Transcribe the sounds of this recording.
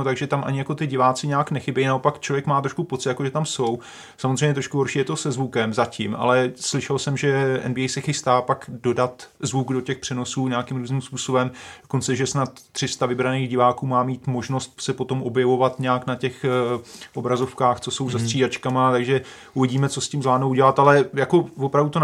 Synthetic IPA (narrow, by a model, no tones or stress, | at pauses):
not̪aɡʒɛt̪amʔa̰ɲɪjako̞t̪ɪɟɪvaːt͡sɪɲɛaknɛxɪbɛjnao̞pakt͡ʃlo̞vjɛkmaːt̪ɾoʃkupo̞t͡sɪt̪jakoʒɛt̪amso̞w | samozrɛjɲɛt̪ɾoʃkuɦoɾʃiːjɛt̪o̞sɛzvukɛmzacɪmʔa̰lɛslɪʃɛlsɛmʒɛʔɛ̰nbiɛjsɛxɪst̪aːpakdo̞dat̪zvuɡdo̞cɛxpr̥ɛno̞suːɲɛakɪmɾuːznimspuːso̞bɛmd̥oko̞nt͡sɛʒɛsnat̪ːr̥ɪst̪avɪbɾaniːɣɟɪvaːkuːmaːmiːt̪mo̞ʒno̞st̪̚sɛpo̞t̪o̞mʔo̞bjɛvo̞vat̪ɲɛaknacɛx | ʔobɾazo̞fkaːxt͡so̞so̞wzast̪r̝̥iːdat͡ʃkamat̪aɡʒɛ | ʔuvɪɟiːmɛt͡so̞scɪmzlaːdnowɟɛlat̪alɛjako̞vopɾavdut̪o